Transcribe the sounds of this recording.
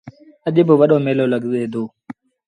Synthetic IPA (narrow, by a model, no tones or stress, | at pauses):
əʄɪbʊʋəɗoːmeːloːləɡzeːd̪oː